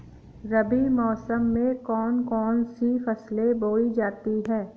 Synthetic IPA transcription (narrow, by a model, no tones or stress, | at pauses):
ɾɐbimɔːsəmːẽkɔːnkɔːnsifɐsleboːid͡ʒaːt̪iɦɛː